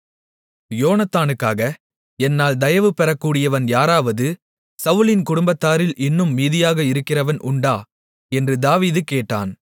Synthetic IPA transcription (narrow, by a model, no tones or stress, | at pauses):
joːnɐt̪ːaːnɯkːaːɣɐ | ɛnːaːld̪ɐjɐʋɯpɛɾɐkːuːɽɪjɐʋɐnjaːɾaːʋɐðɯ | sɐʋʊlɪnkʊɽʊmbɐt̪ːaːɾɪlʔɪnːɯmːiːðɪjaːɣɐɪɾɯkːɪrɐʋɐnʔʊɳɖaː | ɛndrɯd̪aːʋiːðɯkeːʈːa̰ːn